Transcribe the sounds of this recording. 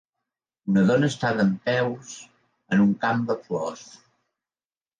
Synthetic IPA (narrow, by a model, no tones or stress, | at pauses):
unəðɔnəːst̪aðəmpɛws | ənuŋkambəflɔs